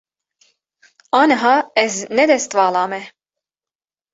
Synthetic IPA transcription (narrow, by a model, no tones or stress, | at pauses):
ɑːnɐɦɑːɛznɛd̪ɛst̪vɑːlˠɑːmɛ